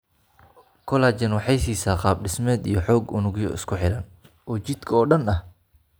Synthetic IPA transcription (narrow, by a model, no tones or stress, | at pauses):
kʰɔlaːt͡ʃɐnwɑħɑjsiːsaːqɑːb̚ɖɪsmɛːd̪ḭjɞħɔːɡʊnʊɣjɔ̰ɪ̰skʰʊħɪɾɐn | ɔːt͡ʃɪd̪kʰɔːɖɐnɐh